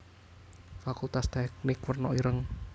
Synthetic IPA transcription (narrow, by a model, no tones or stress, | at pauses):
fakult̪ast̪ɛk̚nɪkwərnɔʔiɾəŋ